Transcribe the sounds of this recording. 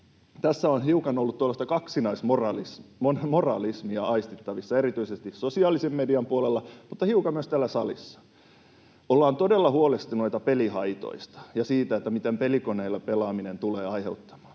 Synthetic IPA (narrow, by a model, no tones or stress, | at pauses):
t̪æsːæonhiukɑnolːut̪t̪ːolːɑst̪ɑkɑksinɑismorɑlisonmorɑ̰lismiɑʔɑist̪it̪ːɑʋisːɑeɾit̪yisest̪issosiɑːlisemːediɑmpuolelːɑmut̪ːɑhiukɑmmyøst̪ælːæsɑlḭsːɑ̥ | olːɑːnt̪odelːɑhuolest̪inoit̪ɑpelihɑit̪o̰ist̪ɑ̥jɑsiːt̪æet̪ːæmit̪empelikoneilːɑpelɑːminent̪uleːɑjheut̪ːɑ̥mɑ̥ːn